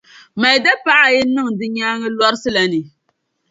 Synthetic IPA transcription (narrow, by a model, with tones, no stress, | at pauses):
ma˨jda˦pa˨ʔa˨jɪ˦nɨ˦ŋdɨ˦ɲaː˦ŋɨ˦lɔ˦ɾɨ˦sɨ˦la˨nɨ˨